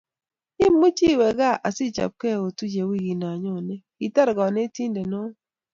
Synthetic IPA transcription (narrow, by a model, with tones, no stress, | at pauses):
i˦mu˦t͡ʃi˦˨we˨ɡa˦ʔa˨si˦˨t͡ʃa̰˨p̚kɛ˦˨o˨tu˦d͡ʒe˨wi˦˨ɡi˨na˨ɲo˦˨nɛ˦ɡi˨ta˦ɾɡɔ˨ne˦ti˦nde˨no˦